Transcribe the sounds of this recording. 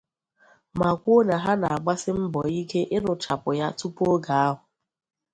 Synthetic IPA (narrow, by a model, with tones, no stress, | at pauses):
ma˨kʷo˦na˨ɦa˦na˨a˨ɡ͡ba˦sɪ˦m̩˦bɔ˨i˦ke˦ʔɪ˦nʊ˨t͡ʃa˨pʊ˨ja˦tu˦po˦ɡa˨a˦ɦʊ˨